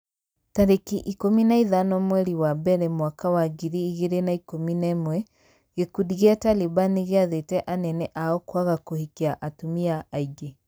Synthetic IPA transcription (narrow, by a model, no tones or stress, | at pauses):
taɾekiʔikominaiðanɔmwɛɾiwabɛɾɛmwakawaɡiɾiːɣeɾenaikominɛmwɛ | ɣekudiɣeatalibaniɣeaðetɛʔanɛnɛʔaɔkwaɣakohikeaʔatomiaaiɡe